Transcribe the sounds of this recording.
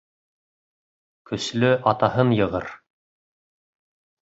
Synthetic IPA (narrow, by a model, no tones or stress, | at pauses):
kɵ̆slɵʔɑt̪ɑhɤnjɤ̆ʁɤ̰ɾ